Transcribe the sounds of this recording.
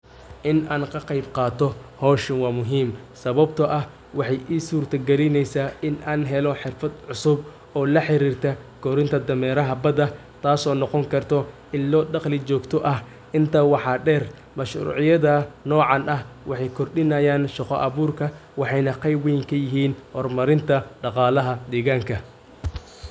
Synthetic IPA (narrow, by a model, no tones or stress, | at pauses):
ʔɪnʔaːŋkʰɐqɑjbqɑːt̪ʰɔhɔːʃɪnwɑːmʊɦiːm | sɐβɐbt̪ʰɐʔɐh | wɑħɑjʔiːsuːrt̪ʰɐɡɛlɪnɛjsaːʔɪnaːnɦɛlɔħɪrfɐd̪ʕʊsʊb | ɔːlɐħɪɾiːrt̪ʰɐɡɔɾɪnt̪ʰɐd̪ɐmɛːɾɐɦɐbɐd̪ɐ | t̪ʰaːsɔːnɔqɔŋkʰɐrt̪ʰɔ | ɪlːɔːɖɑqlɪt͡ʃɔːɡt̪ʰɔʔɐh | ʔɪnt̪ʰɐwɑħɑɖɛːr | mɐʃrṵːʕɪjɐðɐnɔːʕɑnɐh | wɑħɑjkʰɔrɖɪnɐjaːnʃɐqɔʔɐβuːrkʰɐwɑħɑjnɐqɑjbɛjŋkʰɐjɪɦiːnhɔrmɐɾɪnt̪ʰɐɖɑqɑːlɐɦɐd̪ɛːɣaːŋkʰɐ